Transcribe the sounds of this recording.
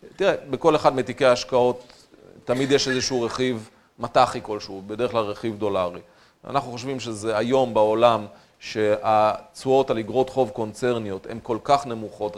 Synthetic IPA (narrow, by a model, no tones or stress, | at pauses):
t̪iʁebe̞ko̞leχad̪met̪ikeaaʃkao̞tː | amid̪jeʃezeʃuuʁe̞χiv | mataχiko̞lʃubedeʁχklalʁe̞χivd̪o̞laʁi | a̰naχnuχo̞ʃvimʃezeajo̞mbao̞lam | ʃe̞at͡suo̞taliɡʁo̞t̪χo̞vko̞nt͡se̞ʁnijo̞te̞̰mko̞lkaχne̞muχo̞t